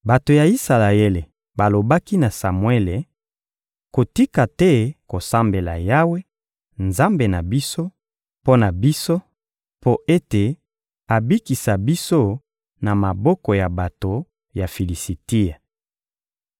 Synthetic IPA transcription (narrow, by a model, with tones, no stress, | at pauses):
ba˨to˨ja˨i˦sa˨la˨e˦le˨ | ba˨lo˨ba˦ki˦na˨sa˨mwe˦le˨ | ko˨ti˦ka˨tɛ˦ko˨sa˦mbe˨la̰˨ja˦we˦ | nza˦mbe˨na˨bi˦so˦ | po˦na˨bi˦so˦ | po˦ʔe˦te˨ | a˨bi˦ki˨sa˨bi˦so˦ | na˨ma˨bɔ˦kɔ˨ja˨ba˨to˨ | ja˨fi˨li˨si˨ti˦a˨